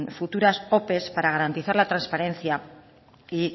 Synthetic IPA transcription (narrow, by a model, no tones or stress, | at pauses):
fut̪uɾaso̞pe̞spaɾaɣ̞aɾant̪iθaɾlat̪ɾanspaɾẽ̞n̟θja | i